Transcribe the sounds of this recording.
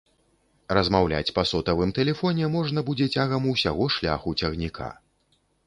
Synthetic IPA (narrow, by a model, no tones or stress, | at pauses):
ɾɐzmawlʲa̰t͡sʲpɐsɔt̪ɐvɨmt̪ɛlʲɛfɔnʲɛmɔʐnɐbud͡zʲɛt͡sʲaɣɐmuwsʲaɣɔʂlʲa̰xut͡sʲɐɣnʲikʰa̰